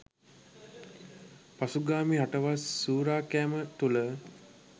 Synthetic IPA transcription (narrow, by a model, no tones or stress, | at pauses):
pasuɡaːmiɦaʈəʋasːuːɾaːkæːmət̪ulə